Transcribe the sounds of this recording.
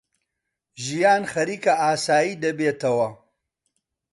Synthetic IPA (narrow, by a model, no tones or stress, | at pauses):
ʒijaːnχɐɾiːkɐaːsaːjiːd̪ɐbeːt̪ɐwɐ